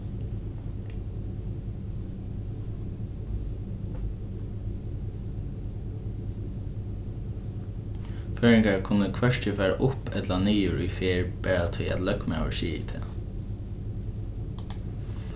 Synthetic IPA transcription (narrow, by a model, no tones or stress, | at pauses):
føːɹɪŋkaɹkʰʊnəkʰʋœʂt̪ɪfæːɹa̰ʔʊpɛt̪laniːʊɹʊ̰jfeːɹpɛːɹat̪ʰʊjæ̰t̪lœkma̰ːʋə̰ɹsiːɪ̰t̪ʰɛ̰ː